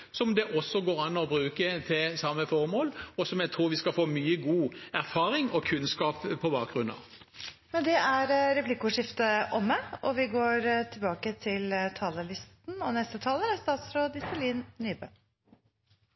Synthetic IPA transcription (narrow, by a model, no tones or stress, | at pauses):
sɔmd̪ɛʔɔsɔɡoːɾɑnɔbɾʉːkət̪ʰɪlsɑmːəfɔʁmoːlɔsɔmjɛɡ̚t̪ʰʁuːʁʋɪskɑfoːmyːəɡuːæʁfɑːʁɪŋɔkʰʉnskɑːppʰːɔbɑːk̚ɡʁʉnɑ̰ʋ | mɛnd̪ɛʔæɾɾɛplɪkːʊʂɪft̪əʔɔmːəʔɔʋɪɡoːɾt̪ʰɪlbɑːkət̪ʰɪlt̪ʰɑːləɭɪst̪n̩ɔnɛst̪ət̪ʰɑːləɾæst̪ɑːt̪sɾoːd̪ɪsəliːnnyːbø̰